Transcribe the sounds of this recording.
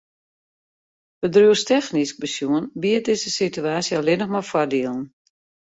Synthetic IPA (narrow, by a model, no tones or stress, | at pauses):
bədruəstɛxnisk̚bəsjuənbiət̚dɪzəsityaːsjəalɪnəxmɔfwɔrdiəlˠn̩